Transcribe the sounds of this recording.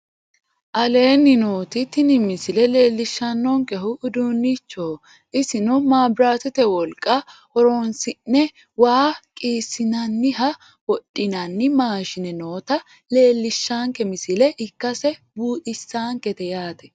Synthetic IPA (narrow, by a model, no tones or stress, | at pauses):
ʔɐle̞ːnːɪnoːt̪ɪt̪ɪnɪmɪsɪlɛle̞ːlːɪʃːɐnːɔŋkɛɦʊːd̪uːnːɪt͡ʃːoː | ʔɪsɪnʊmaːbɾaːt̪ɛt̪ɛwɔlkʼːɐhɔɾonsɪnːɛ | waːkʼiːsːɪnɐnːɪɦɐ | wɔɗːɪnɐnːɪmaːʃɪnɛnoːt̪ɐ | le̞ːlːɪʃːaːŋkɛmɪsɪlɛʔɪkːɐsɛbuːt̪ʼɪsːaːŋkɛt̪ɛjaːt̪ɛ